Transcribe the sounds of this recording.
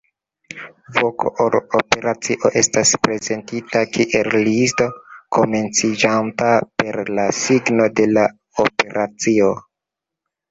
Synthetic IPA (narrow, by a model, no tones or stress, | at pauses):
vokoʔoɾope̞ɾat͡siʔo̞ʔe̞staspɾe̞ze̞ntitakiʔe̞llisto̞ko̞me̞nt͡sid͡ʒantape̞ɾlasiɡno̞de̞la | ope̞ɾʔat͡sio